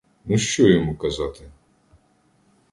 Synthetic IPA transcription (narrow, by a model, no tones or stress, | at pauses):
nuʃt͡ʃɔjɔmukɐzɑt̪ɪ